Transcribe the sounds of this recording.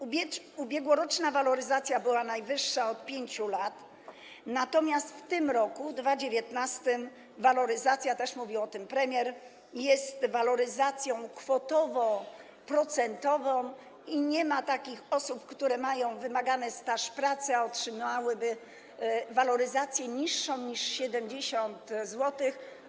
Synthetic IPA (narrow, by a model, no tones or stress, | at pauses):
ubʲɛ | ubʲjɛɡwɔɾɔt͡ʂnavalɔɾɘzat̪sʲjabɘwanajvɘʂːaɔt̪̚pʲjeɲt͡ɕulat̪ | nat̪ɔmʲjast̪ft̪ɘmɾɔkud̪vad͡ʑevʲjɛt̪nast̪ɘm | valɔɾɘzat̪sʲjat̪ɛʂmuvʲiwɔt̪ɘmpɾɛmʲjɛɾ | jɛst̪valɔɾɘzat̪sʲjɔ̃w̃kfɔt̪ɔvɔ | pɾɔt̪sɛnt̪ɔvɔ̃w̃ | iɲɛmat̪akʲixɔsupkt̪uɾɛmajɔ̃w̃vɘmaɡanɛst̪aʂpɾat̪sɛɔtʂɘmawɘbɘ | valɔɾɘzat̪sʲjɛɲiʂːɔ̃w̃ɲiʂɕɛd̪ɛmd͡ʑeɕɔnt̪zwɔt̪ɘx